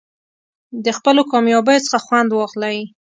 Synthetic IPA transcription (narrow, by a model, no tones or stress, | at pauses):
d̪əxpəlokɑmjɑbəjot͡sə̥xaxwand̪wɑɣlaji